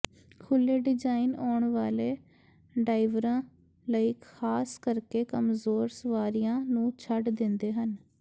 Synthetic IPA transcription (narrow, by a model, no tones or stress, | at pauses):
kʰʊlːeːɖɪd͡ʒaːinɔːɳʋaːleː | ɖaːɪʋɾãː | ləiːkʰaːskəɾkeːkəmzoːɾsəʋaːɾɪjãːnũːt͡ʃʰəɖd̪ɪnd̪eːɦən